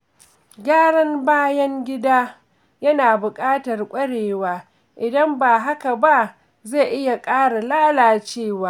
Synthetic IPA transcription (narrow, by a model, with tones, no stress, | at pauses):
ɡʲaː˦ɽɐ˦mbaː˦jɐ˦ŋɡʲɪ˦daː˦ | jɐ˦naː˨bʊ˨kʼaː˦tɐ˨rkʷʼɐ˦ɽeː˨waː˦ | ʔɪ˨dɐ˦mbaː˨ɦa˦ka˨ba˦ | ze˦˨ʔɪ˦ja˨kʼaː˦ɽa˨laː˦laː˨t͡ʃeː˦˨waː˦